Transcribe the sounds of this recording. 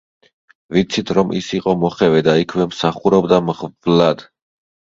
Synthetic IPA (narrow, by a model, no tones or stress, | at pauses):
vit̪sʰit̪ʰɾɔmʔḭsiqʼɔmɔχɛvɛd̪aikʰwɛmsaχuɾɔbd̪amʁvlad̪̥